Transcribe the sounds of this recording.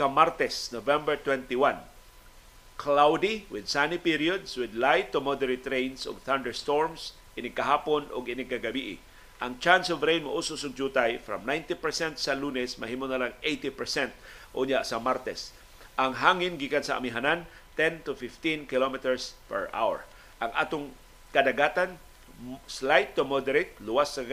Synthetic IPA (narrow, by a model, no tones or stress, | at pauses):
kamaɾt̪ɛsnovɛ̃mbɛɹt̪wɛ̃nt̪iwan | kʰlawd̪iwɪd̪̚sanipiɾiod̪swɪd̪lajt̪ːʊmɔd̪ɛɹit̪ɾẽjnsʊ̰ɡθand̪ɛɹst̪oɹms | ʔɪnɪɡ̚kɐɦaːponʔʊ̰ɡɪnɪɡ̚kaɡɐbiʔɪ̰ | ʔɐŋt͡ʃansovɾejnmʊʔusʊsʊɡ̚d͡ʒut̪ajfɾɐ̰mnajnt̪ɪpɛɹsɛnt̪sɐluːnɛsmɐ̰ɦiːmonɐlaŋʔejt̪ɪpɛɹsɛnt̪ | ʔʊɲasɐmaɾt̪ɛs | ʔɐŋɦaːŋɪnɡiːkansɐʔɐ̰miɦanan | t̪ɛ̃nt̪ʊfɪft̪ĩnkɪlomɪt̪ɛɹspɛ̰ɹʔa̰wɛ̰ɹ | ʔɐŋʔaːt̪ʊŋ | kɐd̪ɐɡaːt̪an | slajt̪ːʊmod̪ɛɾet̪̚lʊwasːɐɡ